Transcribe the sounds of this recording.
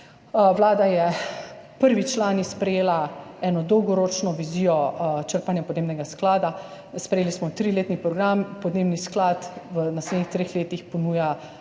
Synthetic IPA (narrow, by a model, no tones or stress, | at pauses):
ʋlaːd̪ajɛpəɾʋit͡ʃlaːnispɾɛjeːlaɛːnɔd̪ɔwɡɔɾoːt͡ʃnɔʋiziːjɔt͡ʃəɾpanjapɔd̪neːbnɛɡasklaːd̪a | spɾɛjeːlismɔt̪ɾileːt̪nipɾɔɡɾampɔd̪neːbnisklaːt̪ʋənasled̪nixt̪ɾeːxleːt̪ixpɔnuːja